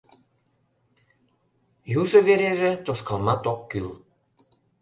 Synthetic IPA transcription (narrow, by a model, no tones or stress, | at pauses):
juʒɤ̆βeɾeʒĕt̪oʃkɑlˠmɑt̪okkyl